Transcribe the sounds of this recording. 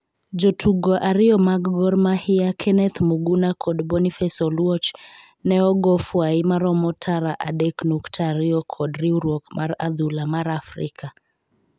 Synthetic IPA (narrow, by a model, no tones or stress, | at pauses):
d͡ʒɔtʰuɡɔʔaɾiɔmaɡɡɔɾmahiakʰɛnɛt̪muɡunakʰɔdbɔnifɛsɔlwɔt͡ʃ | nɛɔɡɔfwaimaɾɔmɔtʰaɾaʔadɛknuktʰaɾiɔkʰɔdɾiuɾɔkmʔaɾa̰ðulamaɾafɾikʰa